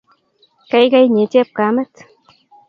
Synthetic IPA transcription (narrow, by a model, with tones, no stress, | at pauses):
ka˦jka˦jɲe˨˦t͡ʃɛ˦p̚ka˨mɛ˦t̪